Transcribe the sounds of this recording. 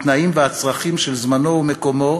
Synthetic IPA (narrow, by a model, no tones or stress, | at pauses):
t̪naimveat͡sʁaχimʃelzmano̞ume̞ko̞mo̞